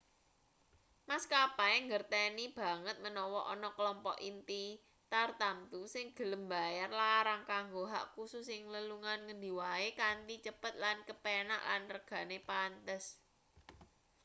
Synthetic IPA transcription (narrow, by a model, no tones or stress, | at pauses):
maskapaeŋɡərt̪enib̥ä̤ŋət̪̚mənɔwɔʔɔnɔkəlɔmpɔ̰ʔint̪i | t̪art̪amt̪usɪŋɡ̥ə̤ləmbajarlaɾaŋkaŋɡoɦa̰ʔkususɪŋləluŋanŋənd̪i̤waekant̪it͡ʃəpət̪̚lankəpena̰ʔlanrəɡ̥ä̤nepant̪əs